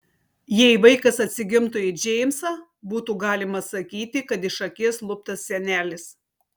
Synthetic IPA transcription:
jɛɪʋɐɪkɐsɐt̪ʲsʲɪɡʲɪmt̪ʊɪd͡ʒʲɛɪmsɑ | buːt̪uːɡɑːlʲɪmɐsɐkʲiːt̪ʲɪkɐt̪ɪʃɐkʲiɛslˠʊp̚t̪ɐssʲɛnʲæːlʲɪs

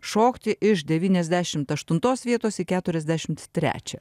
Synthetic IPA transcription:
ʃoːkt̪ʲɪʔɪʃd̪ʲɛʋʲiːnʲɛzʲd̪ʲæʃʲɪmt̪ɐʃt̪ʊnt̪oːsʋʲiɛt̪oːsikʲæːt̪ʊɾʲɛzʲd̪ʲæʃʲɪmt̪t̪ʲɾʲæ̰ːt͡ʃʲɛ

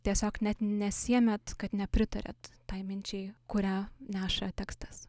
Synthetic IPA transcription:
t̪ʲiɛsʲoːknʲɛt̪nʲɛsʲiɛmʲɛt̪kɐt̪nʲɛpʲɾʲɪt̪ɐɾʲɛ̰t̪ːɑɪmʲɪnʲt͡ʃʲɛɪkʊɾʲæːnʲæːʃɐt̪ʲæːkst̪ɐ̥s

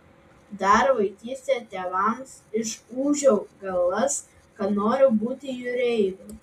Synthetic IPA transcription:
d̪ɐɾʋɐɪk̪ʲiːsʲt̪ʲeːt̪ʲeːʋɐmsɪʃuːʒʲɛʊɡɐlˠːɐs | kɐt̪noːɾʲʊbuːt̪ʲɪjʊɾʲɛɪd̪u

